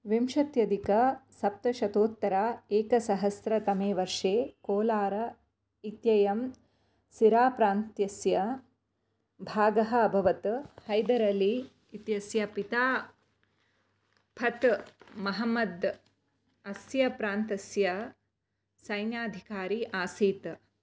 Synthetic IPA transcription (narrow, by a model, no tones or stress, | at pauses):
ʋimʃɐt̪jɐd̪ikɐsɐp̚t̪ɐʃɐt̪oːt̪ːɐɾaːeːkɐsɐɦɐsɾɐt̪ɐmeːʋɐɾʂeːkoːlaːɾɐ | it̪jɐjɐm | siɾaːpɾaːnt̪jɐsjɐ | bʱaːɡɐɦɐːbʱɐʋɐt̪hɐjd̪ɐɾɐliː | t̪jɐsjɐpit̪aː | pʰɐt̪mɐɦɐmɐd̪ | ɐsjɐpɾaːnt̪ɐsjɐ | sɐjnjaːd̪ʱikaːɾiːʔaːsiːt̪